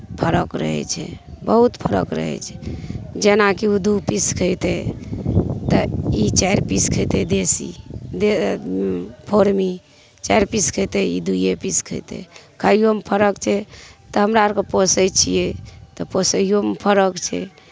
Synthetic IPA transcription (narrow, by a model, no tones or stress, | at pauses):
pʰəɾəkɾə̰ɦɛ̰t͡ʃʰɛ̰bəɦut̪pʰəɾə̰kɾə̰ɦɛ̰t͡ʃʰɛ̥d͡ʒenakiud̪upiskʰəjt̪e | t̪ɔit͡ʃajɾpiskʰəjt̪ed̪esḭd̪e | pʰoɾmi | t͡ʃajɾpiskʰəjt̪eḭd̪ujepiskʰə̰jt̪ḛkʰəjjompʰəɾəkt͡ʃʰɛt̪ɔɦəmɾaɾkeposəjt͡ʃʰijɛt̪ɔposəjjompʰəɾəkt͡ʃʰɛ̰